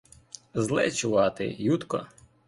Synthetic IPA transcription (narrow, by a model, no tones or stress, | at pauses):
zlˠɛ̰t͡ʃʊʋɑt̪ɪ̰jut̪kɔ̰